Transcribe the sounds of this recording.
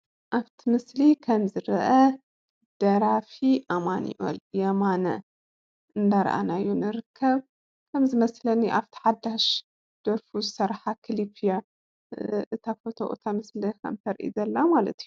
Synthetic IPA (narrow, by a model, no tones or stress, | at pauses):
ʔaβt̪ʰimɨslikʰɐmzɨɾɐʔɐ | d̪̥ɐɾafiʔamanḭʔo̰ljɛmanɐ̰ | ʔɨnd̪aɾ̰ʔa̰najːunɨɾɨkʰːɐβ | kʰɐmzɨmɐslɐnːiʔaβt̪ʰi̥ħad̪aʃ | d̪̥ɐɾfuzɨsɐɾħakʰɨlipʰija | ʔɨt̪ʰafot̪ʰo̰ʔo̰t̪ʰamɨslɐkʰɐ̰mt̪ʰɐɾʔḭzɐlːamalɐ̰t̪ʰiju